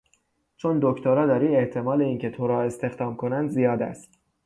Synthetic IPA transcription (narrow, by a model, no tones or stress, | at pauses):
t͡ʃʰond̪oct̪ʰoɾɒːd̪ɒɾiːeht̪ʰe̞mɒːle̞iːŋcʰe̞t̪ʰoɾɒːe̞st̪e̞xd̪ɒːmkʰo̞nænd̪zijɒːd̪æ̰st̪